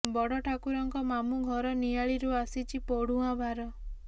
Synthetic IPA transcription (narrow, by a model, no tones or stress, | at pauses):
bɔɽɔʈʰakuɾɔŋkɔmamuɡʱɔɾɔnijaɭiɾuasit͡ʃʰipoɽuabʱaɾɔ